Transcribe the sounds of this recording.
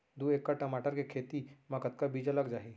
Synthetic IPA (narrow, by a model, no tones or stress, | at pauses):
d̪ueːkːaʈɐmaːʈəɾkekʰeːt̪imɐkət̪̚kabiːd͡ʒalɐɡd͡ʒaːiː